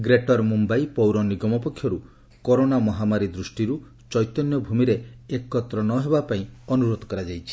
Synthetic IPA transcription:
ɡɾeʈɔɾmumbajpɔwɾɔniɡɔmɔpɔkʰːjɔɾu | koɾonamɔɦamaɾid̪ɾusʈiɾu | t͡ʃɔjt̪ɔnjɔbʱumiɾeekːɔt̪ɾɔnɔɦebapaĩɔnuɾod̪ɔkɔɾad͡ʒajt͡ʃʰi̥

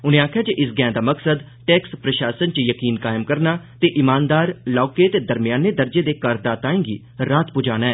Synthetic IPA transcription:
ʊnẽːaːkʰjaːt͡ʃeʔɪsɡɛ̃ːd̪aːməksəd̪ | ʈɛːkspɾəʃaːsənt͡ʃəjəkiːnkaːɪmkəɾnaːt̪eːʔɪmaːnd̪aːɾlɔːkeːt̪eːd̪əɾmɪjaːneːd̪əɾd͡ʒeːd̪eːkəɾd̪aːt̪aːẽːɡḭː | ɾaːt̪pʊd͡ʒaːnaːɛː

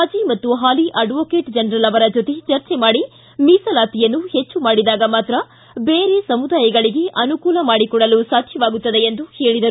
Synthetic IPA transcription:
aːd͡ʒimɐt̪ːuɦaːliʔɐɖʋoːke̞ːʈd͡ʒɐnɾɐlɐʋɐɾɐd͡ʒot̪et͡ʃɐɾt͡ʃemaːɽi | miːsɐlaːt̪ijɐnːuhet͡ʃːumaːɽid̪aːɡɐmaːt̪ɾɐ | beːɾe̞sɐmud̪aːjɐɡɐɭiɡe̞ʔɐnukuːlɐmaːɽikɔɽɐlusaːt̪ʃʰjɐʋaːɡut̪ːɐd̪e̞end̪uheːɭid̪ɐɾu

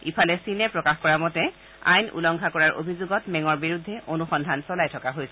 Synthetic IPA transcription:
ipʰalɛsinɛpɹɔkaxkɔɹamɔtɛ | a̰jnṵlɔŋkʰakɔɹaɹʔo̰bʱizoɡɔtmɛŋɔɹbiɹudʱːɛʔonuxɔndʱansɔlajtʰɔkaɦojsɛ

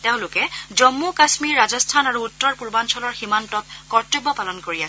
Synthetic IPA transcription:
teʊ̃lʊkɛzɔmːukasmiɹːazɔstʰanaɹuːtːɔɹpuɹbansɔlɔɹximantɔt̚kɔɹtobːɔpalɔnkoɹiasɛ

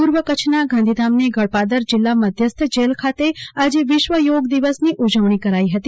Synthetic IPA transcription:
puɾʋəkət͡ʃʰnaɡãnd̪ʱid̪amneɡəɭpad̪əɾd͡ʒɪlːaməd̪ʱjəst̪ʰd͡ʒelkʰat̪ead͡ʒeʋɪʃʋəjoɡd̪iʋəsniʔud͡ʒəʋɳ̃ikəɾaiɦət̪i

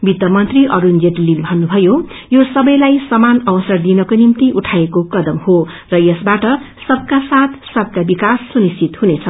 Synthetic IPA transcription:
bit̪ːʌmʌnt̪riʔʌɾund͡zeʈlilbʱʌnːubʱʌjo | josʌbʌjlajsʌmanʌwʌsʌrd̪inʌkonimt̪iʔuʈʰaekokʌd̪ʌmho | rʌjʌsbaʈʌ | sʌb̚kasat̪ʰsʌb̚kabikasːunist͡sʰit̪hunet͡sʰʌ

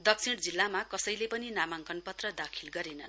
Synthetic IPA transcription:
d̪ʌk̚sʰiɽd͡zilːamakʌsʌjlepʌninamaŋkʌnpʌt̪rʌd̪akʰilɡʌɾenʌn

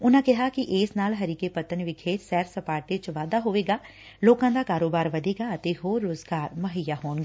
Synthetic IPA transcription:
ʊnãːkɪɦaːkɪʔeːsnaːlɦəɾiːkeːpət̪ənʋɪkʰeːt̪sɛːɾsəpaːɾʈet͡ʃʋaːd̪aːɦoːʋeːɡaː | loːkãːd̪aːkaːɾoːbaːɾʋəd̪eːɡaːət̪eːɦoːɾːoːzɡaːɾməɦəjaːɦoːnɡaː

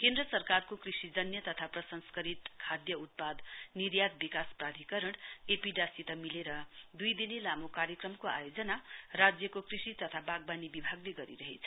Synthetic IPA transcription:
kend̪rʌsʌrkarkokrisid͡zʌnjʌt̪ʌt̪ʰaprʌsʌnskʌɾit̪kʰad̪jʌut̪̚pad̪niɾjad̪̚bikasprad̪ʱikʌɾʌɽ̃epiɖasit̪amileɾʌd̪ujd̪inelamokaɾjʌkrʌmkoa̰jod͡zʌnarad͡zjʌkokrisit̪ʌt̪ʰabaɡbanibibʱaɡleɡʌɾḭɾʌɦḛt͡sʰʌ̥

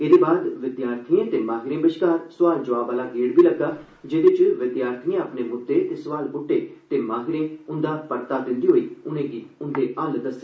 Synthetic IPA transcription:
eːd̪eːbaːd̪ʋɪd̪jaːɾt̪ʰiẽːt̪eːmãːɦɪɾẽːbəʃkaːɾsʊʋaːld͡ʒəʋaːbaːlaːɡeːɽbiːləɡːaː | d͡ʒeːd̪ɪt͡ʃʋɪd̪jaːɾt̪ʰijẽəpneːmʊd̪eːt̪eːsʊʋaːlbʊʈːeːt̪eːmaːɦɪɾẽːʊnd̪aːpəɽt̪aːd̪ɪ̃nd̪iːɦoːiːʊnẽːɡiːʊnd̪eːʔəld̪əseː

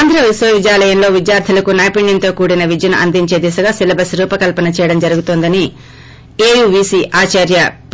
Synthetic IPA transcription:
aːnd̪ʱɾɐʋisʋɐʋid͡ʒjaːlɐjɐmlo̞ːʋid̪jaːɾt̪ʰilɐkunaːjpiɳjɐnt̪o̞ːkuːɽinɐʋid͡ʒ̪jɐnuʔɐnd̪iɲt͡ʃe̞ːd̪isɐɡaːsilɐbɐsɾuːpɐkɐlpɐnɐt͡ʃɛːjɐɽɐmd͡ʒɐɾuɡut̪oːnd̪ɐni | eːjuːʋiːsiːʔaːt͡ʃaːɾjɐp

